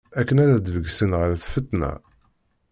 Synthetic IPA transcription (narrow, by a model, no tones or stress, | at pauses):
ækːənæðæd̪vəɡsənʁəɾθfət̪ːnæ̰